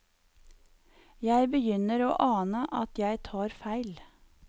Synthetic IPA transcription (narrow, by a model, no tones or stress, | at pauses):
jæɪbəjʏnəɾo̰ːʔɑːnəʔɑt̪jæɪt̪ʰɑːɾfæɪl